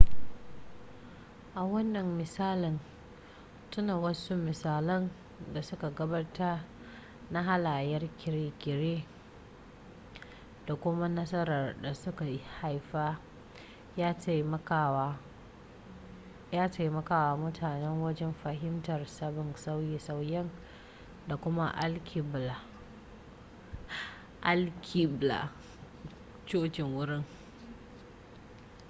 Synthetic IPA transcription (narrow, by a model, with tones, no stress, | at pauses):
ʔa˨wɐ˦nːɐ˨mːɪ˨saː˦lɪ˨n | tʊ˦naː˨wɐ˦su˦mɪ˨saː˨lɐ˦n | da˨sʊ˦ka˨ɡɐ˦ba˦ta˦ | na˦ɦa˦laː˨jɐ˦rkʲɪ˨ɾeː˦kʲɪ˨ɾeː˦ | d̥a˨kʷʊ˦ma˦nɐ˦sɐ˦ɾɐ˨rda˨sʊ˦ka˨˦ha˦jɸa˦ | jaː˦tm˦ka˨wa˦ | jaː˦ta˨jmɐ˦kaː˨waː˦mʊ˦tʰaː˨nɛ˦ŋwɐ˦d͡ʒɛ˦mɸa˨ɦɪ˦mtɐ˨rsɐ˦bɪ˨nsa˦wji˨sa˦wjɛ˦n | da˨kʷʊ˦ma̰˦ʔa˦lkʲi˨bla˨ | ʔa˦lkʲʰi˦bla̰˨ | t͡ʃoː˦kɪ˨ŋwʊ˦ɾɪ˦ŋ